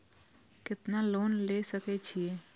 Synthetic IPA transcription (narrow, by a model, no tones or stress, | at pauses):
kɪt̪naloːnlesəket͡ʃʰieː